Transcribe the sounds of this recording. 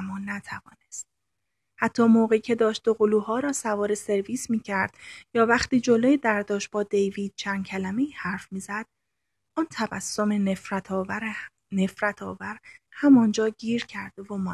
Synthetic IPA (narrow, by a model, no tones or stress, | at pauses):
mːɒːnæt̪ʰævɒ̰ːnest̪̚ | hæt̪ʰːɒːmoːɣeicʰe̞d̪ɒːʃt̪̚d̪oɣoluːhɒːɾɒːsævɒːɾese̞ɾviːsmiːcʰæɾd̪̥jɒːvæχt̪iːd͡ʒolojed̪æɾd̪ɒːʃ̚b̥ɒːd̪ejviːd̪̥̚t͡ʃʰænd̪cʰælæme̞iːhæɾfmiːzæd̪̥̚ | ɔːnt̪ʰævæ̰sːomeeɾt̪ʰɒːɾ | nefɾæt̪ʰɒ̰ːvæɾhæmɒːnd͡ʒɒːɟiːɾcʰæɾd̪evomɒː